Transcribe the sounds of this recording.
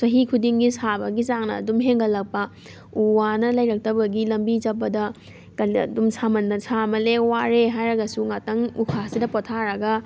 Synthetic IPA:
sɐɦikʰudiŋɡisabɐɡizaŋnɐ̰ːdumɦeŋɡɐlɐk̚pɐ | uwanɐlɐjɾɐk̚tɐbɐɡilɐmbid͡ʒɐpːɐdɐ | kɐnɐ̰dumsamɐnːɐsamɐlewaɾeɦajɾɐɡɐsuŋatɐŋukʰasidɐpɔtʰaɾɐɡɐ

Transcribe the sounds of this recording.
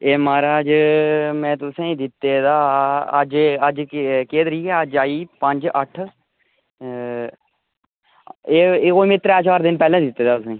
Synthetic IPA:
eːmaːɾaːd͡ʒmɛ̃ːt̪ʊsẽːd̪ɪt̪ːeːd̪aːə̰d͡ʒəd͡ʒkeːd̪əɾiːkɛəd͡ʒaːiːpəɲd͡ʒəʈʰ | eːoːmɪt̪ɾɛːt͡ʃaːɾd̪ɪnpɛːlẽːd̪ɪt̪ːeːd̪aːʊsẽː

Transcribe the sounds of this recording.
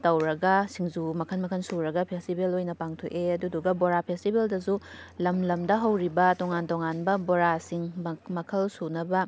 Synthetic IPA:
tɐwɾɐɡɐsiŋzumɐkʰɐnmɐkʰɐnsuɾɐɡɐpʰestibelojnɐpaŋtʰoʔeɐduduɡɐboɾapʰestibeldɐzulɐmlɐmdɐɦɐwɾibɐtoŋantoŋanbɐboɾasiŋmɐkʰɐlsunɐbɐ

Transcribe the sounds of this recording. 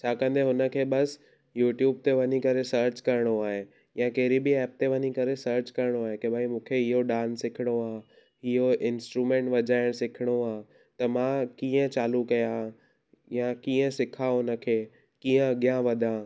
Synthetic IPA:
t͡ɕʰaːkə̃n̆d̪ʱeɦʊnə̆kʰeːɓɐs | juːʈjuːb̚t̪eʋɐɲikɐɾesɐɾt͡ɕkɐɾɪɽ̃oaːɦe | jãkɐɦɪɾibɪɛːp̚t̪eʋɐɲikɐɾesɐɾt͡ɕkɐɾɪɽ̃oaːɦekebʱaːimũːkʰeɪɦoɗaːnsɪkʰɪɽ̃oaː | ɪɦoʔɪ̃nsʈɾumẽːɳʈʋɐd͡ʑaːɪɽ̃sɪkʰɪɽ̃oaː | t̪ɐmãkĩːə̃t͡ɕaːlukɐja | jãkiːə̃sɪkʰaɦʊnə̆kʰeː | kĩːə̃ɐɠjãʋɐd̪ʱãː

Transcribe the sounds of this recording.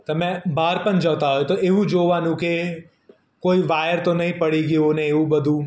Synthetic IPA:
t̪ɐmɛ̃baːɾpənd͡ʒɐʋt̪aɦojet̪oʔeʋũd͡ʒoːʋaːnũke | koːiʋaːjəɾt̪onɐɦĩpɐɽiɡijonẽeũbɐd̪ʱũː

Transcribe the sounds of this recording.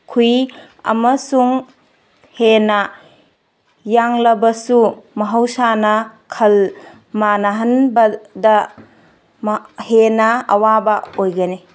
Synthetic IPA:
kʰuj | ɐ̰mɐsuŋ | henɐ | jaŋlɐbɐsumɐɦɐwsanɐkʰɐl | manɐɦɐnbɐdɐ | mhenɐɐwabɐojɡɐni

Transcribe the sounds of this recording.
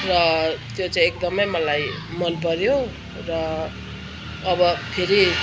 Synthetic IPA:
rʌt̪jot͡saĩek̚d̪ʌmʌjmʌlajmʌnpʌɾjo | rʌ | bʌpʰeɾi

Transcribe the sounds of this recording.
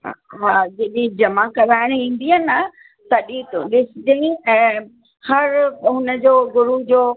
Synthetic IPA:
ɦaːd͡ʑeɗĩd͡ʑɐmakɐʋaːɪɽ̃ĩːn̆d̪iənɐ | t̪ɐɗĩt̪ũɗɪsɪd͡ʑɐĩɛ̃ː | hɐɾɦʊnəd͡ʑoːɡʊɾud͡ʑoː

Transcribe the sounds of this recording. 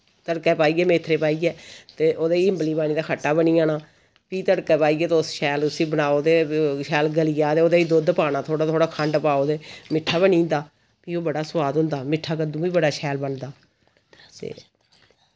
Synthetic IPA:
t̪əɽkɛːpaːiːɡɛːmeːt̪ʰːɾeːpaːiːɡɛːt̪eːʔoːd̪eːiːɪmbliːbaːniːd̪aːkʰəʈːaːbəɳiːaːnaː | piːt̪əɽkɛːpaːiːɡɛːt̪ʊsʃɛːlʊsĩːbənaːoːd̪eːʃɛːlɡəlijaːd̪eːoːd̪eːiːd̪od̪paːnaːt̪ʰoːɽaːt̪ʰoːɽaːkʰəɳɖpaːoːd̪eːmɪʈʰːaːbənĩːnd̪aː | kiːoːbəɽaːsʊʋaːd̪ɦʊ̃nd̪aːmɪʈʰːaːkəd̪ũːʋiːbəɽaːʃʰɛːlbənd̪aː | t̪ḛː

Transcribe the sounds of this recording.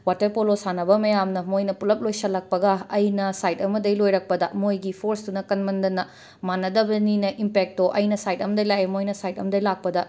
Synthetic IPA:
watɐɾpolosanɐbɐmɐjamnɐmojnɐpulɐp̚lojsɐlɐk̚pɐɡɐɐjnɐsajtɐmɐdɐjlojɾɐk̚pɐdɐmojɡipʰoɾsdunɐkɐnmɐndɐnɐ | manːɐdɐbɐninɐʔimpek̚toʔɐjnɐsajt̚ɐmɐdɐjlajemojnɐsajtɐ̰mɐdɐjlak̚pɐdɐ

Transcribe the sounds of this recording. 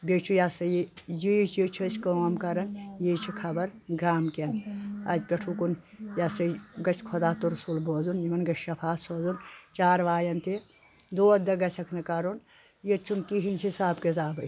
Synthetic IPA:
bet͡ʃʰujasɐjijit͡ʃʰit͡ʃʰɐsʰʲkɐmkɐɾɐnjit͡ʃʰikʰɐbɐɾɡaːmkenɐd͡ʒʲpʲeʈʰukun | jɐsɐɡɐt͡ʃʰkʰod̪aːt̪uɾsulboːzunimɐnɡɐʃʃɐpʰaːt̪soːzunt͡ʃaːɾʋaːjɐnt̪e | d̪oːd̪ɐɡɐt͡ʃʰɐkʰnɨkɐɾun | jit͡ʃʰːunkiɦinhisaːbkezaːbɐ

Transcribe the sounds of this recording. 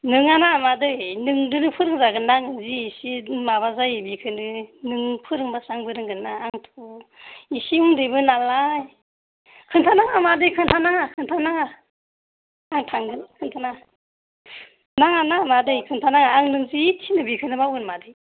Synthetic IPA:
nɯŋanamadɯjnɯŋdɯɾɯpʰɯɾɯŋzaɡɯnːaŋɯnziːsimaβazajbikʰɯnɯnɯŋpʰɯɾɯŋbasaŋbɯɾɯŋɡɯnːaːŋtʰu | isiuŋdɯjbɯnalaj | kʰɯŋtʰanaŋamadɯjkʰɯŋtʰanaŋakʰɯŋtʰanaŋa | ŋtʰaŋɡɯnkʰɯŋtʰana | naŋanamadɯjkʰɯŋtʰanaŋaːŋnɯŋzitʰinɯbikʰɯnɯbawɡɯnmadɯj

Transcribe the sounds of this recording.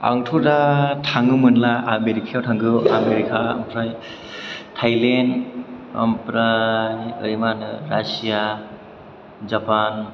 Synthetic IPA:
a̰ŋtʰudatʰaŋɯmɯnlaameɾikʰiawtʰaŋɡɯa̰meɾikʰaɐ̰mpʰɾaj | tʰajlenɐ̰mpɾajɯ̰ɾimanɯɾasija | zapan

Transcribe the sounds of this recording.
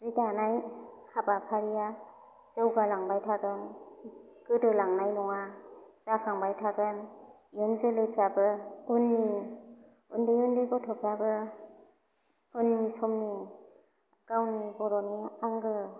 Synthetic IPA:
ziɡanajhabapʰaɾija | zewɡalaŋbajtʰaɡɯn | ɡ̥ɯdɯlaŋnajnɔŋazakʰaŋbajtʰaɡɯn | jɯnzɯlɯpʰabɯunni | undɯjundɯjbɔtʰɔpʰabɯ | unmisɔmni | kawnibɔɾɔniaŋɡɯ

